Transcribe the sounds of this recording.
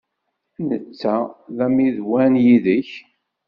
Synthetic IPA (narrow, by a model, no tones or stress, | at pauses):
nət͡sːæðæmiðwænjiðəç